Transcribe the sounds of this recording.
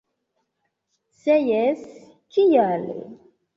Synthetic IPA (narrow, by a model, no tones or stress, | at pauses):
sɛjɛs | kijalḭ